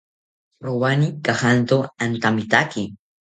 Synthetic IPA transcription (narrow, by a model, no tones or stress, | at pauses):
ɾʊwanikahant̪oant̪amɪt̪akɪ